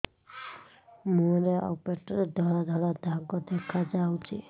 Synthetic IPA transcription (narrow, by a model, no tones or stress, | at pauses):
mũɾeɔ̰peʈɔɾed̪ʱɔɭad̪ʱɔɭad̪ʱaɡɔd̪ekʰad͡ʒawt͡ʃʰḭ